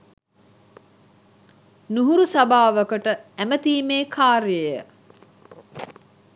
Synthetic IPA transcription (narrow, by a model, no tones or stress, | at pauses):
nuɦuɾusabaːʋəkəʈəæmət̪iːmeːkʰaːɾiəjə